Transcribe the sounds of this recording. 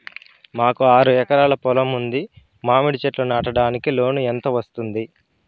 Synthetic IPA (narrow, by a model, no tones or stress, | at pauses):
maːkuaːɾuɛkɐɾaːlɐpɔlɐmund̪i | maːmiɽit͡ʃeʈlunaːʈɐɽaːnikilo̞ːnuent̪ɐʋɐst̪und̪i